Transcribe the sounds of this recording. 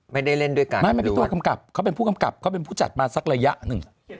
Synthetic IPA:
ma˥˩jda˥˩jle˥˩ndu˥˩əjka˧maː˥˩jma˥˩˨t̪u˧ka˧mka˨˩p̚kʰwpe˧npʰuː˥˩ka˧mka˨˩p̚kʰa˦˥wpe˧npʰuː˥˩t͡ɕa̰˨˩t̪̚maː˧sa˨˩k̚ɾa˧ja˦˥ʔnɯ˨˩ŋ

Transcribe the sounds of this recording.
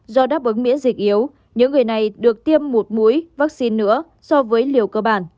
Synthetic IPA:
zɔ˧ɗaː˦˥p̚ʔɨ˨˦ŋmḭ˧˥əzï˨˩k̟̚ʔi˨˦əw | ɲɨ̰˧˥ŋːɨ˨˩əjna˨˩jɗɨ˨˩ək̚t̪i˧əmːo˨˩t̚mu˨˦jvaː˦˥k̚si˧nːɨ̰˧˥ə | sɔ˧vəː˨˦jli˨˩əwkəː˧ɓaː˧˨˩n

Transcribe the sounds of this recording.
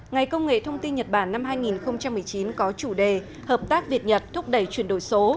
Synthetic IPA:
ŋa˨˩jkə˧wŋ͡mŋḛ˧˨t̪ʰə˧wŋ͡mt̪i˧nɲə˨˩t̚ɓaː˧˩nːa˧mɦaː˧jŋi˨˩nxə˧wŋ͡mt͡ɕa˧mːɨ˨˩əjt͡ɕi˨˦nkɔ˨˦t͡ɕu˧˩ɗe˨˩ | həː˨˩p̚t̪aː˦˥k̚vi˨˩ət̚ɲə˨˩t̚t̪ʰʊ˦˥k͡p̚ɗə˧˩jt͡ɕwi˧˩ənɗo˧˩jso˨˦

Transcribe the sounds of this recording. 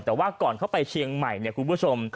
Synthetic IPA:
t̪ɛː˨˩waː˥˩kɔː˨˩nkʰa˥˩wpa˧jt͡ɕʰiː˧əŋma˨˩jni˥˩kʰu˧npʰu˥˩t͡ɕʰo˧m

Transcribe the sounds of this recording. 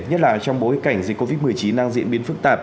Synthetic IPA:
ɲə˦˥t̚la̰ː˧˨jt͡ɕɔ˧wŋ͡mɓo˨˦jka˧˩jŋ̟zi˨˩kːo˧vi˦˥t̚mɨ˨˩əjt͡ɕi˨˦nːaː˧ŋzḭ˧ənɓi˨˦ənfɨ˦˥k̚t̪aː˨˩p̚

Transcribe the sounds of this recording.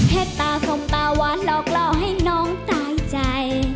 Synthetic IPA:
hʰɛː˧˩t̚t̪aː˧˩so˧ŋ͡mt̪aː˧waː˨˦˥nlɔː˧˩k̚lɔː˧˩ɦa˥˩jnɔː˨˥ŋt̪aː˧˩jt͡ɕa˧j

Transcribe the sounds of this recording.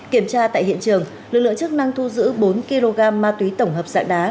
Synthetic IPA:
ki˧˩əmt͡ɕaː˧t̪a̰ː˧˨jɦḭ˧˨ənt͡ɕɨ˨˩əŋ | lɨ˨˩k̚lɨ̰˧˨əŋt͡ɕɨ˦˥k̚na˧ŋt̪ʰu˧zɨ̰˧˥ɓo˨˦nki˧lo˧ɣaː˧mːaː˧t̪wi˨˦t̪ə˧˩wŋ͡mɦəː˨˩p̚za̰ː˧˨ŋɗaː˨˦

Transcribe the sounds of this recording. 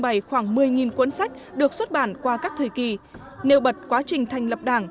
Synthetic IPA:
ŋɓa˧˩jxwaː˧˩ŋmɨ˨˩əjŋi˨˩nkwə˨˧˦nsa˦˥jk̟̚ɗɨ˨˩ək̚swə˦˥t̚ɓaː˧˩nkwaː˧kaː˦˥k̚t̪ʰəː˧˨˩jki˧˩ | ne˧wɓə˨˩t̚kwaː˨˦t͡ɕï˨˩ŋ̟t̪ʰa˨˩jŋ̟lə˨˩p̚ɗaː˧˩ŋ

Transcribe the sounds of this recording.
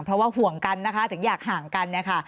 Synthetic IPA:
ŋpʰɾɔ˦˥waː˥˩hu˨˩əŋka˧nːa˦˥kʰa˦˥t̪ʰɯ˨˩˦ŋjaː˨˩k̚haː˨˩˦ŋka˧nːi˥˩əkʰa˥˩

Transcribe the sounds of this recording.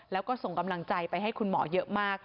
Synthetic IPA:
lɛː˦˥wkɔː˥˩so˨˩ŋka˧mla˧ŋt͡ɕa˧jpa˧jɦa˥˩jkʰu˧nmɔː˩˦jɤ˦˥ʔmaː˥˩k̚

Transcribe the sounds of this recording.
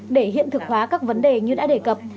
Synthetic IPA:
ɗe˧˩ɦḭ˧˨ənt̪ɨ˨˩k̚hwaː˨˦kaː˦˥k̚və˨˦nɗe˨˩ɲɨ˧ɗa̰ː˧˥ɗe˧˩kə˨˩p̚

